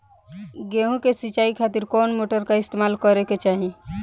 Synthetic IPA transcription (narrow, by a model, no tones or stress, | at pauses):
ɡeɦũkesit͡ʃaikʰat̪iɾkɔːnmoːʈəɾkaɪst̪emaːlkəɾeket͡ʃaːɦĩ